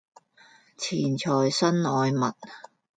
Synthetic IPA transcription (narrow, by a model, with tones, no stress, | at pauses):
t͡sʰiː˨˩nt͡sʰɔː˨˩jsɐ˥nɔː˨˧jmɐ̰˨t̚